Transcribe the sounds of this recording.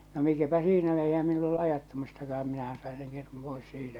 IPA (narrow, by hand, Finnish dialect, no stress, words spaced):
no mikæpæ siːnæ eihæ meil olːu ɑjɑtːɑmistɑkɑh̆ɑm minæhæn̞ sɑin̞ seŋ ketum pois siːtæ